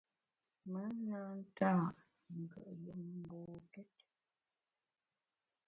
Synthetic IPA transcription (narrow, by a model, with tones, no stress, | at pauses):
mə˦na˦n̩˦ta˦˨ | ŋ̩˨kə̰˨ʔjə˨˦mm˦boː˨kɛ˦t̚